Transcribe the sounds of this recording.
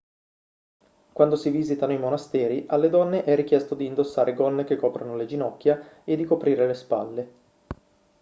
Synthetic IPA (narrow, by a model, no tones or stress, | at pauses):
kwand̪osiviːzit̪anoimonast̪ɛːɾiʔalːed̪ɔnːeʔɛrːikjɛst̪od̪iːnd̪osːaːɾʔeɡɔnːek̟ekːɔːpɾonoled͡ʒinɔkʲːjaed̪ːikopɾiːɾelespa̰lːe